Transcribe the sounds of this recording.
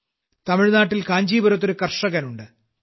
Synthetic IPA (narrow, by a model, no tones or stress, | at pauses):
t̪ɐmiɻnaːʈːilkaːɲd͡ʑiːbɐɾɐt̪̬ːoɾukɐrʂɐɣɐnuɳɖɨ